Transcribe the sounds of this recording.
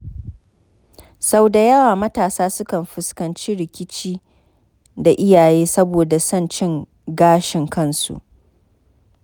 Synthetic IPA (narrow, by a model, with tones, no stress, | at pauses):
sa˦wda˨jɐ˦waː˨mɐ˦taː˨saː˦sʊ˦kɐ˨mɸɪ˨skɐ˨nt͡ʃiː˦ɾɪ˨kʲɪ˦t͡ʃiː˦ | da˨ʔɪ˦jaː˨jeː˦sɐ˦boː˨da˨sɐ˦˨nt͡ʃɪ˦ŋ | ɡaː˦ʃɪ˨ŋkɐ˦nsṵ˨ʔ